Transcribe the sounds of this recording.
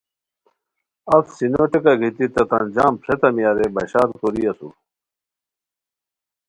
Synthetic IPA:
ɐfsinoʈekaɡʱit̪it̪ɐt̪ɐnd͡ʑaːmpɾet̪ɐmijaːɾebɐɕaːɾkoɾiɐsṵ

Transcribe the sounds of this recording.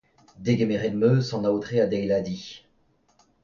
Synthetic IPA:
d̪eɡʲemeʁed̪møsɑ̃naot̪χead̪ɛjlad̪i

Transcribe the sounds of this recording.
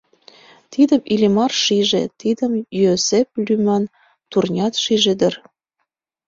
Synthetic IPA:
t̪id̪əmilʲimɑrʃiʒḛt̪id̪əmjosep̚lymɑn | t̪urnʲɑt̪ʃiʒed̪ər

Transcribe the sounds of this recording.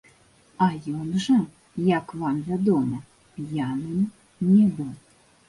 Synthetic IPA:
ajɔnʐɐ | jakvamvʲad̪ɔmɐ | janɨm | nʲɛbɨw

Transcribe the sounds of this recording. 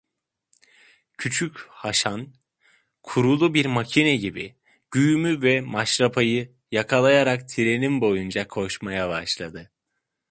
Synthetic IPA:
cʰyt͡ʃʰychaʃan | kʰuɾulˠubiɾmacʰinɛɟibi | ɟ̥yjmyvɛmaʃɾapʰajɯ | jakʰalˠajaɾakt̪ʰiɾe̞nimbo̞jund͡ʒakʰo̞ʃmajabaʃlˠad̪ɯ

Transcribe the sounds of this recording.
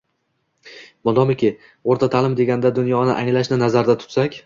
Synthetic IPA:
mɒd̪ɒmɪkʲʰɪ | oɾt̪ʰat̪ʰalɪmd̪e̞ɡʲand̪ad̪ʊnjɒnɪʔaŋlaʃnɪnazaɾd̪at̪ʰʊ̥t̪sakʲ

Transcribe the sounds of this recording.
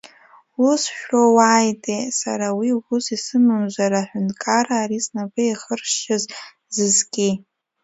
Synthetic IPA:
usʃᶣrowajtʼesa̰ɾawiɡʷʊsisɨmɨmʒʷaɾaːħʷᶣʊntʼkʰʼaraːɾisnabɨiχərʃaz | zɨzɡʲʼi

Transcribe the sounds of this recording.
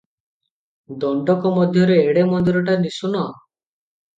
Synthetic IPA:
d̪ɔɳɖɔkɔmɔd̪ʱjɔɾeːɽemɔnd̪iɾɔʈanisunɔ

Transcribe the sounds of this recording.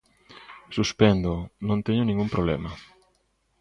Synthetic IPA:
suspɛnd̪onõnt̪ɛɲʊnĩŋɡumpɾoβlɛ̰mɐ

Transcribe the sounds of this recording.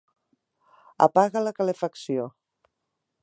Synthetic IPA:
ə̰paɣələkəlefəksio

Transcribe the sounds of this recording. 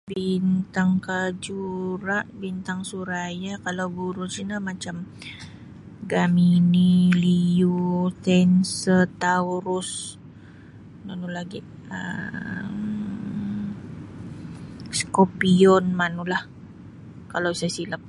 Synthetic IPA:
bint̪aŋkad͡ʒuɾaʔbint̪aŋsuɾajakalawɡuɾʊsinamat͡ʃam | ɡaminilijut̪ɛnsət̪auɾʊs | nanulaɡiʔ | ə̰ | m | skopiɔnmanulah | kalawsajasiləp̚

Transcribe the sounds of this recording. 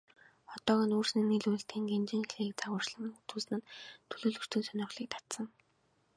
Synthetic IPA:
χɔt̪ɔːɣiːnuːrsniniɮuj̆ɬt̪iːŋɡent͡ɕɪ̆ŋxeɮiːk̚t͡saʁʊːr̥t͡ɕɮə̆mnut̪uːsnɘ̆nt̪ʰɵɮoːɮɵ̆r̥t̪ɘ̆nsœnʲɔ̆χɮiːk̚t̪ʰḁt̪sə̆ŋ

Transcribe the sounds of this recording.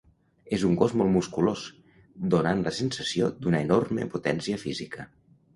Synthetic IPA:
ezuŋɡɔzmɔlˠmuskulos | d̪onanləsensəsiod̪unəenɔrmə̰put̪ɛnsiəfizikə

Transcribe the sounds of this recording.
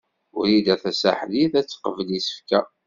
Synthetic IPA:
ʊɾid̪æθæsa̰ħliθæt͡sːqəvəlisə̥fkæ

